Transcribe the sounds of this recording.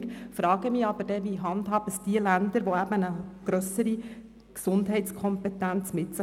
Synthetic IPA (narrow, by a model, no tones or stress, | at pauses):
kfɾɑːɡ̥əmiːɑb̥əɾd̥ɛʋiɦɑnd̪ɦɑːb̥əsd̥iəlænd̪əɾʋoæb̥ənəɡ̥ɾœsəɾi | ksʊndɦɛɪtt͡skʰɔmpɛt̪ænt͡smɪtsə